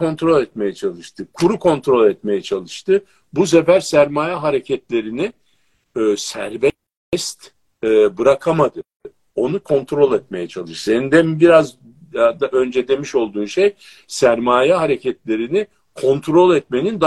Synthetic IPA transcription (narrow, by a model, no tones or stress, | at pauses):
o̞nt̪ɾo̞lʲɛt̪me̞jɛt͡ʃʰalˠɯʃt̪ʰɯkʰuɾukʰo̞nt̪ɾo̞lʲɛt̪me̞jɛt͡ʃʰalˠɯʃt̪ʰɯ | bus̬efæɾsæɾmaːjaɦaɾecʰɛt̪lʲe̞ɾiniː | sæɾvɛ | ɛst̪ː | bɯɾakʰamad̪ɯ | o̞nukʰo̞nt̪ʰɾo̞lʲɛt̪̚me̞jɛt͡ʃʰalˠɯʃsenind̪ɛnbiɾaz | d̪aʔø̞nd͡ʒed̪e̞miʃo̞lˠd̪uːnʃej | sæɾmaːjɛɦaɾecʰɛt̪lʲe̞ɾini | kʰo̞nt̪ʰɾo̞lʲɛt̪me̞nind̪a